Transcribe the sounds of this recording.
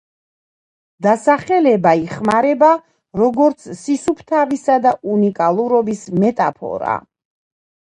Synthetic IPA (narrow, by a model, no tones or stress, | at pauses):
d̪asaχɛlɛbaiχmaɾɛba | ɾɔɡɔɾt̪sʰsisupʰt̪ʰavisad̪aunikʼalˠuɾɔbismɛt̪ʼa̰pʰɔ̰ɾa̰